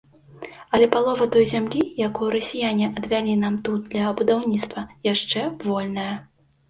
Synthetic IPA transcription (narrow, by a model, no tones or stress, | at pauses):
ɐlʲɛpalˠɔvɐt̪ɔjzʲamlʲijakujuɾɐsʲijanʲiʔɐd̪vʲalʲinamt̪ud̪̚d̪lʲɐbud̪awnʲit̪st̪vɐjaʂt͡ʂɛvɔlʲnɐjɐ